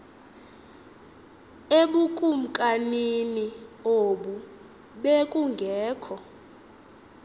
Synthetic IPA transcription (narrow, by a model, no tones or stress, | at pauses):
eɓukʼum̩kʼaninioɓu | ɓekʼuŋɡʱɛːkʰɔ